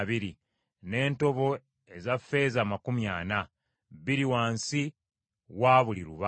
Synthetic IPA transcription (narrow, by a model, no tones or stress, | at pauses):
βiɾi | ne̞ːnto̞βo̞ | e̞zafːe̞ːzamakumja̰ːna | βiɾiwaːnsi | waːβuliɾṵβa